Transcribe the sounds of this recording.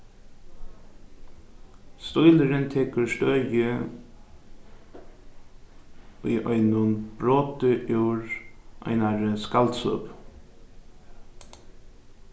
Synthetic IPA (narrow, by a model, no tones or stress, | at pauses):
st̪ɔʏləɾənt̪ʰɛkəɹʃt̪œjə | ḭːʔœʏnʊnb̥ɾoːt̪əʔjuːɾʔœ̰ɪnaɾəskalt̪sʊ̰p